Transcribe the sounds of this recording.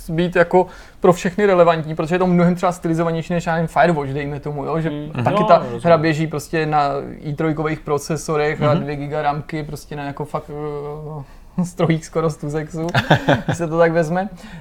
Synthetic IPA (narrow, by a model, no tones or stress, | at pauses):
biːt̪jako̞ | pɾo̞fʃɛxnɪɾɛlɛvantɲiːpɾot̪oʒɛjɛt̪omnoɦɛmt̪r̥ɛbast̪ɪlɪzoaɲɛjʃiːnɛʃnaːɲfajɛɾvot͡ʃdɛjmɛt̪o̞mujoʒɛakɪt̪aɦɾabjɛʒiːpɾo̞scɛnaiːt̪ɾojkovejxpɾo̞t͡sɛso̞ɾɛxadvjɛɡɪɡaɾamkɪpɾo̞scɛnajako̞fak | st̪ɾojiːxskoɾost̪us̬ɛksusɛt̪ot̪aɡvɛzmɛ